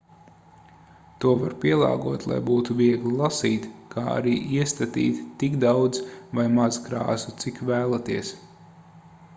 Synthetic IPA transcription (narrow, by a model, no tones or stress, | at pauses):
t̪uɔvaɾpʲiɛlˠɑ̰ːɡuɔt̪lˠa̰jbuːt̪uviɛɡlʲˠilˠasiːt̪kʰaːa̰ɾiːʔiɛst̪at̪ḭːt̪ːikd̪awd̪zvajmazkɾa̰ːsut̪sikvæːlˠat̪iɛs